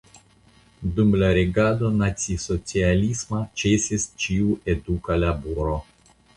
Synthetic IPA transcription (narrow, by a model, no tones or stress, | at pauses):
d̪umlaɾeɡad̪onat̪sʲisot͡ʃialismat͡ʃesest͡ʃiuʔed̪ukalabuɾo